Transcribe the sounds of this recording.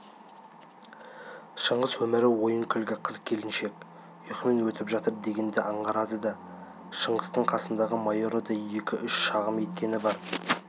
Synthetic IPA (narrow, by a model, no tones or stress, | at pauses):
ʃəɴʁəzwɵmɪɾɪwo̞jəŋkʲʰʏlɡʲɪqʰəzkʲʰe̞lɪnʃe̞kʲ | ʏjqəmenwɵt̪ɪpʒɑt̪əɾd̪e̞ɡʲe̞nd̪eʔɑɴʁɑɾɑd̪əd̪ɑ | ʃəɴʁəst̪əɴqʰɑsənd̪ɑʁəmɑjoɾod̪ɑje̞kʲɪʔʏʃʃɑʁəme̞t̪kʲe̞nɪbɑɾ